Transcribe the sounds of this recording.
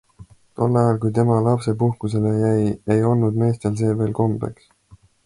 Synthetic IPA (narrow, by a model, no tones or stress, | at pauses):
t̪o̞lːɑjɑlkujt̪e̞mɑlɑpse̞puhkuse̞le̞jæjejo̞lnud̪me̞ːst̪e̞ls̬e̞ːve̞ːlko̞mbe̞̰ks